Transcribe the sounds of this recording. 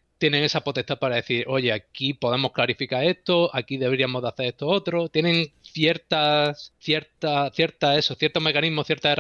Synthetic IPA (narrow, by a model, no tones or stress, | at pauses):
t̪je̞neŋe̞sapo̞t̪e̞st̪apaɾaðe̞θiɾo̞ʝe̞akipo̞ðe̞mo̞hklaɾifikaɾe̞st̪o̞akiðe̞βeɾiamo̞zðaθe̞ɾest̪oo̞t̪ɾo̞t̪je̞nẽ̞ŋθje̞ɾt̪aθje̞ɾt̪aθje̞ɾt̪ae̞soθje̞ɾt̪o̞me̞kanĩɦmoθjeɾt̪aer